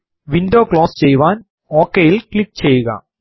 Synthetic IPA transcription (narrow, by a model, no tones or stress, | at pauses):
ʋɪɳɖoːkloːst͡ɕɛjʋaːn | oːkːejɪlklɪk̚t͡ɕɛjːɯɣa̰ː